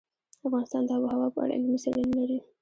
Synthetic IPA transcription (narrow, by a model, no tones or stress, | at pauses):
afɣɑnɪst̪ɑnd̪əabohawɑpəa̰ɽa̰ləməsa̰lənalaɾi